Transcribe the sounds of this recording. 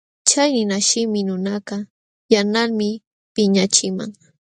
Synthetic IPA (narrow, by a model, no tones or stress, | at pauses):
t͡ʃajnɪnaʃɪmɪnʊnakɑ | janalmɪ | pɪɲat͡ʃɪma̰ŋ